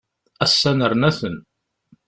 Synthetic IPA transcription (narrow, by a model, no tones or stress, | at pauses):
æsːænəɾnæθən